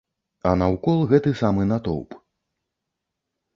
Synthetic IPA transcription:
ɐnɐwkɔlˠɣɛt̪ɨsamɨnat̪ɔ̰wp

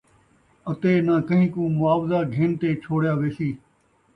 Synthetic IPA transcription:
ət̪eːnãːkəɦĩːkũːmʊaːʋzaːɡʱeːnt̪eːt͡ʃʰoːɽjaːʋeːsiː

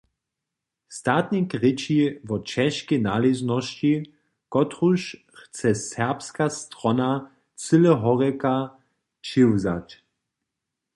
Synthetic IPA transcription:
st̪aːt̪nikʁɪt͡ɕivɔt͡ʃɛʃkɛnaliznɔʃt͡ɕi | kɔt̪ʁuʃ | xt͡sɛsɛʁpskast̪ʁɔna | t͡sɨlɛɦɔʁɛka | t͡ʃɪwza̰t

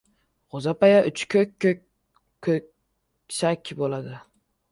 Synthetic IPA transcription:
ʁozapajaʔʊt͡ʃkʲʰøkʲːø | øk̚ʲ | ʃakʲʰːbolˠad̪ɪ

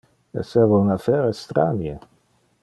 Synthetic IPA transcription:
ḛsɛvounafɛɾest̪ɾa̰nje

